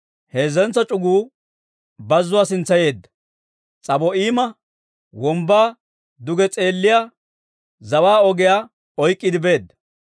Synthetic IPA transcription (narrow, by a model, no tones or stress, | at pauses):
heːzɛnt͡sːɐt͡ʃʼʊɡuː | bɐzːʊwaːsɪnt͡sːɐje̞ːd̪ːɐ̥ | t͡sʼɐbɔiːmɐ | wɔmbaː | d̪ʊɡɛt͡sʼe̞ːlːɪjaː | zɐwaːɔɡɪjaː | ɔjkʼːɪd̪ɪbe̞ːd̪ːɐ